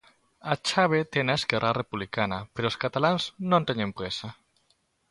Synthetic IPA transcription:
at͡ʃaβ̞et̪enaeskɛrʔarepuβlikanapeɾoskat̪alanznõnt̪eɲempɾesa

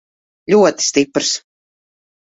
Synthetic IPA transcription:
lʲuɔt̪i̥st̪ipɾs

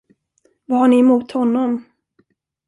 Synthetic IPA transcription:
vahaɳɪɛmuːt̪hɔnːɔm

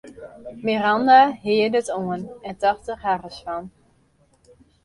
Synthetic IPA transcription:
mirɑndaɦɪədətoənɛntɑχtəχharəsfɑn

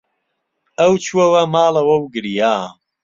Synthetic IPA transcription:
ɐwt͡ʃʰuɐwɐmaːlɐwɐwɡɨɾijaː

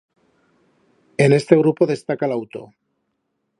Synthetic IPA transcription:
ene̞st̪eɣ̞ɾupoðe̞st̪akalawt̪o̰

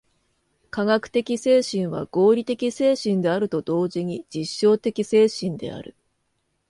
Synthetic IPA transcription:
kaɡakɯ̟̥t̪e̞kʲise̞ːɕĩɰ̃βa̰ɡ̥o̞ːɾʲit̪e̞kʲise̞ːɕĩnd̪e̞aɾɯ̟t̪o̞d̪o̞ːʑiɲ̟id͡ʑiɕːo̞ːt̪e̞kʲise̞ːɕĩnd̪e̞̰a̰ɾɯ̟̰

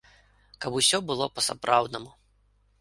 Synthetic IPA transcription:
kɐbusʲɔbɨlˠɔpɐsa̰pɾʔawd̪nɐmu

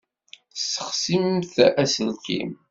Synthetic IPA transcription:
sə̥χsimθæsənkḭm

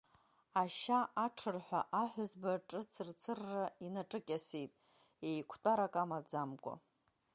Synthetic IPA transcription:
aʃaʔaʈ͡ʂʰɨrħʷᶣaʔaħʷᶣʊzbaʈ͡ʂʼɨt͡sʰɨrt͡sʰɨrːainaʈ͡ʂʼɨkʲʼasejtʼ | ejkʷʰtʷʼaɾakʼamad͡zamkʷʼa̰

